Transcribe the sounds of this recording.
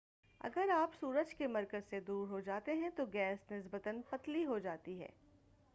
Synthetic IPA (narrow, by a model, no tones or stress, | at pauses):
ɐ̰ɡəɾaːpsuːɾəd͡ʒkemɐɾkəzsed̪uːɾɦod͡ʒaːt̪eɦɛ̃t̪oɡɛːsnɪs̬bət̪ənpɐt̪liɦod͡ʒaːt̪iɦɛ̰ː